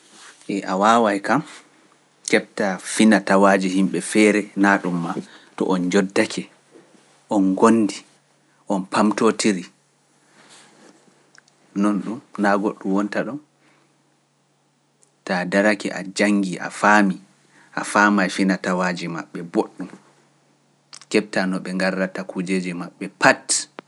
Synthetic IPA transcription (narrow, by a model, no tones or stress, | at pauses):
ʔɛʔawaːwajkam | kɛp̚tafinatawad͡ʒihimɓɛfɛɾɛnaɗumːatɔ̰ʔɔnd͡ʒɔdːakʰɛ | ʔɔnɡonːdi | ʔɔnpamtotiɾi | nɔnɗumnaɡoɗːumwɔntaɗɔm | tadaɾakɛ̰ʔa̰d͡ʒaŋːɡiʔa̰faːmi | ʔa̰faːmajfinatawaːd͡ʒimaɓːɛboɗːum | kɛɓ̚tanɔɓɛŋɡarːatakud͡ʒed͡ʒɛmaɓːɛpat